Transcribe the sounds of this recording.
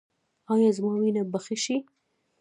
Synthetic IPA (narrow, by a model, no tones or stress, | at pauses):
ɑjɑzmɑwinabaxiʃi